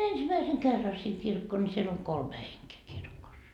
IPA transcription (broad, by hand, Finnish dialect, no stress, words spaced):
ensimæiseŋ kerːɑ siŋ kirkːoː nʲi siel oŋ kolme heŋkeː kirkosːɑ